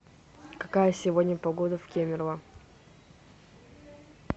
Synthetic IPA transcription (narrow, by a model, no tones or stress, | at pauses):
kɐkajəsʲɪvodʲnʲəpɐɡod̪əfkʲemʲɪrvˠə